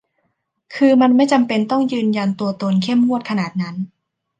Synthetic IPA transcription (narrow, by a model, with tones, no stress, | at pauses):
kʰɯː˧ma˧nma˥˩jt͡ɕa˧mpe˧nt̪ɔ˥˩ŋjɯː˧nja˧nt̪u˧ɐt̪o˧nkʰe˥˩mːu˥˩ət̪̚kʰa˧naː˨˩t̪̚na˦˥n